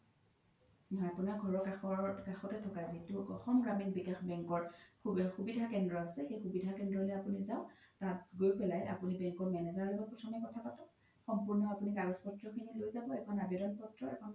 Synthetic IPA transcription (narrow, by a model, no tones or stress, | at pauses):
nɦɔapunaɡʱɔɹɔkaxɔkaxɔkɛtʰɔkazituɔ̰xɔmɡɹaminbikexbɛŋkɔɹxubidʱakɛndɹɔasɛxejxubidʱakɛndɹɔlɛapunizaʊtatɡojpɛlajʔa̰punibɛŋkɔɹmɛnɛzaɹloɡɔt̚pɹɔtʰɔmɛkɔtʰapatɔ | xɔmpuɹnɔapunikaɡɔspɔtɹɔkʰinilojzabɔɛkʰɔnabjɔɾɔnpɔtɹɔɛ̰kʰɔn